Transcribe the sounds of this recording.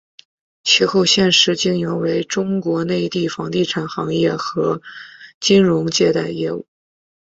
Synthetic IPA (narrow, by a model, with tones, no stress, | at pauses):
t͡ɕʰi˧˥xo˥˧ʊɕjɛ˥˩nʂɻ̩˧˥t͡ɕi˥ŋjɛ˧˥we˧˥ɪʈ͡ʂʊ˥ŋkwɔ˧˥ne˥˧ɪt̪i˥˩fɑ˧˥ŋt̪i˥˩ʈ͡ʂʰa˨˩nxɑ˧˥ŋjɛ˥˩xɤ˧˥t͡ɕi˥nɻʊ˧˥ŋt͡ɕjɛ˥˧t̪a˥˩˧ɪjɛ˥˧ṵ˥˩